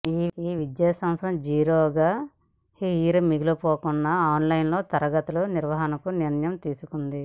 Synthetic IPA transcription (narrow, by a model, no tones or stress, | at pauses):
iːiːʋid̪jaːsɐ̃msɾɐmd͡ʒiːɾoːɡaː | hiiːɾumiɡilupoːkunːɐaːnlɐjnlo̞ːt̪ɐɾɐɡɐt̪ɐluniɾʋɐɦɐnɐkuniɾɐnjɐmt̪iːsukund̪i